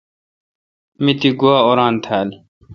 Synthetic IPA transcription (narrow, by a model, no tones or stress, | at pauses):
mit̪iɡuaːoːɾaːnt̪ʰaːl